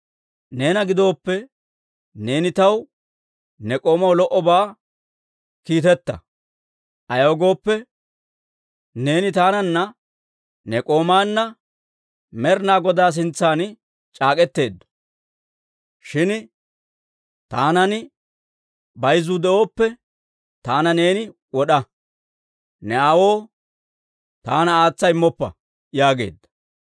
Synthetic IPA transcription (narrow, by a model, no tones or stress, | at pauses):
ne̞ːnɐɡɪd̪o̞ːpːɛ | ne̞ːnɪt̪ɐw | nɛkʼo̞ːmɐwlɔʔɔbaː | kiːt̪ɛt̪ːɐ̰ | ʔɐjɐːɡo̞ːpːɛ | ne̞ːnɪt̪aːnɐnːɐ | nɛkʼo̞ːmaːnːɐ | mɛɾnaːɡɔd̪aːs̬ɪnt͡sːaːn | t͡ʃʼaːkʼɛt̪ːe̞ːd̪ːɔ̥ | ʃɪn | t̪aːnɐnɪ | bɐjzʊd̪ɛʔo̞ːpːɛ | t̪aːnɐne̞ːnɪ | wɔɗɐ | nɛɐwo̞ː | t̪aːnɐaːt͡sːɐɪmːɔpːɐ̰ | jaːɡe̞̰ːd̪ːɐ̥